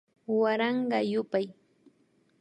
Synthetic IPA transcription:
waɾɑɴɢɑjʊpaj

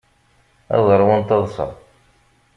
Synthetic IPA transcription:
æ̰ðˤəɾˤwənt̪ɑðˤsɑ̰

